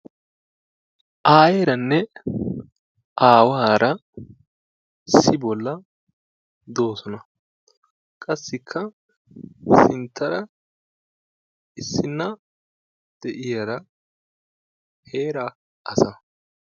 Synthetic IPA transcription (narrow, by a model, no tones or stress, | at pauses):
ʔaːjeːɾɐnːɛ | ʔaːwaːɾɐ | sɪbɔlːɐ | d̪o̞ːsɔnɐ | kʼɐsːɪkʰːɐ | sɪnt̪ʰːɐɾɐ | ʔɪsːɪnːɐ | d̪̥ɛʔɪjɐɾɐ | heːɾɐ | ʔɐsɐ